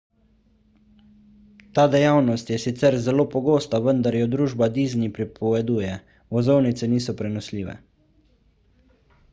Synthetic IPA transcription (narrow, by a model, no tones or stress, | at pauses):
t̪aːd̪ɛjawnɔst̪jɛsit̪sɛɾzɛloːpɔɡoːst̪aʋənd̪aɾjɛd̪ɾuːʒbad̪iːznipɾipɔʋɛd̪uːjɛ | ʋɔzownit̪sɛniːsɔpɾɛnɔsliːʋɛ̰